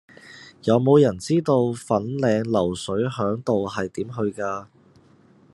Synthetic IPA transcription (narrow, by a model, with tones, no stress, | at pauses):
jɐ˨˧wmo˨˧wjɐ˨˩nt͡siː˥t̪o˧wfɐ˨˥nlɛː˨˧ŋlɐ˨˩wsɵ˨˥ɥɦœː˨˥ŋt̪o˨whɐ˨jt̪iː˨˥mɦɵ˧ɥkaː˧